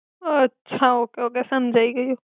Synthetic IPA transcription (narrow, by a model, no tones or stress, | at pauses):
ɐtːʃʰaɦokeɦoːkɛsɐmd͡ʒʱaːiɡɐiɦoː